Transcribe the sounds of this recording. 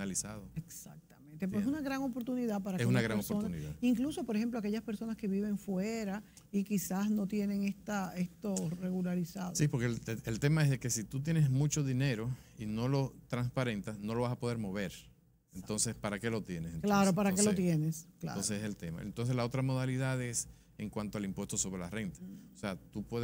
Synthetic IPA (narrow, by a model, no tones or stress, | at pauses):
alisaðoeksa̰k̚t̪amẽnt̪ep̬wesunaɣɾaŋo̞po̞ɾt̪uniðapaɾaesunaɣɾaŋospoonauniiða̰iŋkluso̞po̞ɾexemplo̞ake̞ʝaspeɾso̞naske̞βiβ̞e̞ɱfweɾa | ikisasno̞t̪je̞ne̞ŋe̞sst̪aest̪o̞re̞ɣulaɾisaðsipoɾkeelt̪e̞maesðeke̞sit̪ut̪̬je̞nesmũt͡ʃo̞ðine̞ɾo̞ | ino̞lo̞t̪ɾaŋspaɾe̞nt̪asno̞lo̞βasapo̞ðe̞ɾmo̞βe̞ɾ | ent̪o̞nsespaɾake̞lo̞t̪je̞nesenklaɾopaɾakkelot̪jeneskla̰onseseselt̪ema̰ḛnt̪ons̬e̞slao̞t̪ɾamo̞ðaliðaðe̞s | eŋkwant̪oalimpwe̞st̪o̞so̞βɾela̰re̞nt̪ḁoseat̪upweð